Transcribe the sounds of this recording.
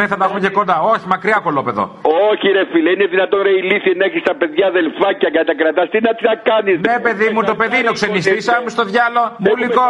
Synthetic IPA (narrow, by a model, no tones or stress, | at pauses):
eθɐt̪ɐxumece̞ko̞nd̪ɐo̞çimɐkɾiɐkolope̞ðo̰oçiɾefileineðinɐt̪onɾɐiliθiɐnɐeçist̪ɐpe̞ðʝaːðelfɐcɐkɐt̪ɐkɾɐt̪ɐst̪inɐt̪iɐkɐnizepe̞ðimut̪o̞pe̞ðiineokse̞nist̪isɐmust̪o̞ðʝɐlo̞muliko